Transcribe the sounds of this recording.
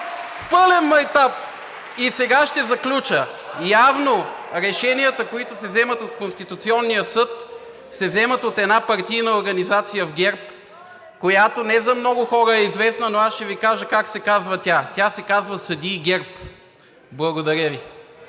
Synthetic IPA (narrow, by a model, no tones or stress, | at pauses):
pɤlɛnmɐɛt̪ap | isɛɡaʃt̪ɛzɐklʲut͡ʃəjavnoɾɛʃɛniət̪əkoit̪ʊsɛvzɛmət̪ot̪konst̪it̪ut̪siɔnːijəsɤt̪ | sɛzɛmət̪ot̪ɛnapɐɾt̪ijnɐoɾɡɐnizat̪sijəvɡʲɛɾp | kojat̪onɛzɐmnɔɡʊxɔɾəɛizvɛsnɐnoasʃt̪ɛvikaʒəkaksɛkazvɐt̪ʲat̪ʲasɛkazvəsɐd̪iːɡʲɛɾp | blˠɐɡod̪ɐɾʲəvi